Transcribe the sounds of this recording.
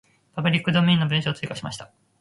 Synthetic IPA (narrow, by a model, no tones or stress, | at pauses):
pabɯ̟ɾʲikːɯd̪omʲĩːnːobɯ̟̃ɕaːt͡sɨikaɕima̰ɕi̥t̪ḁ